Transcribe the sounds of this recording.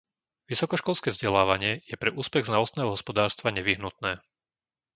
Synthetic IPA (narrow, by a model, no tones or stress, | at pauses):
ʋisɔkɔʃkɔlskɛːvzɟɛlaːʋaɲɪɛjɛpɾɛʔuːspɛɣznalɔst̪nɛːɦɔɦɔspɔd̪aːɾst̪ʋaɲɛʋiɦnut̪nɛː